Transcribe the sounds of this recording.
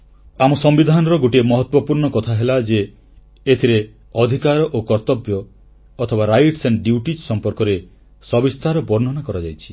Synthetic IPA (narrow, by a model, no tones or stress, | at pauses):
amɔsɔmbid̪ʱanɔɾɔɡoʈiemɔɦɔt̪wɔpuɾɳɔkɔt̪ʰaɦelad͡ʒeː | t̪ʰiɾe | ɔd̪ʱikaɾɔʔokɔɾt̪ɔbjɔː | t̪ʰɔbaɾajʈseɳɖjuuʈisɔmpɔɾkɔɾe | sɔbist̪ʰaɾɔbɔɾn̤ɔnakɔɾad͡ʒajt͡ʃʰi̥